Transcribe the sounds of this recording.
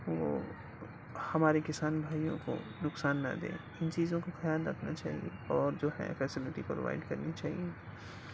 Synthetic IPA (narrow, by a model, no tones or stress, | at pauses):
ʋo̰ː | hɐmaːɾekɪsaːnbʱaːijõ̰ko̰nʊksaːnːɐ̰d̪ḛ̃ː | ɪnt͡ʃiːzõkoxɐjaːlɾɐkʰnat͡ʃa̰ːɦiḛɔːɾd͡ʒoːɦɛ̰̃fɛːsɪlɪʈipɾo̰ʋa̰ːɪɖkɐɾnit͡ʃaːɦie